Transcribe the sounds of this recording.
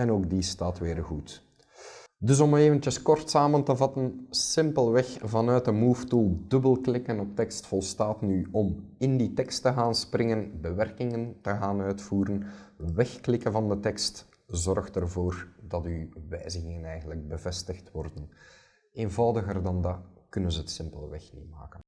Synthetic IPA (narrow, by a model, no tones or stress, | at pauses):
ɛnoːk̚distaːtʋɪːrɣut | dɵs̬ɔmeːvəntjəskɔrtsaːməntəvɑtənsɪmpəlˠʋɛxvɑnœɥt̚dəmuːftulˠdɵbəlˠklɪkənɔp̚tɛkstfɔlˠstaːtnyɔmɪnditɛkstəɣaːnsprɪŋənbəʋɛrkɪŋəntəɣaːnœɥtfuːɾənʋɛxklɪkənvɑndətɛkst | zɔrxtərvoːrdɑtyʋɛjzəɣɪŋənɛjɣəndləɡ̚bəvɛstəxtwɔrdən | eːnvɑwdəɣərdɑndɑkɵnənzəɦətsɪmpəlˠəʋɛxnḭtma̰ːkən